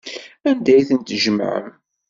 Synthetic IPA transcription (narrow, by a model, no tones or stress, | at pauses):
ænd̪æjθənt̪ʒəm̰ʕə̰m